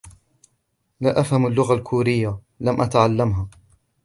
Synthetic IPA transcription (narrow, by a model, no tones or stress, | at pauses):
laʔafhamalːʊɣalkʰuːɾɪjːa | lamʔat̪aʕalːamɦaː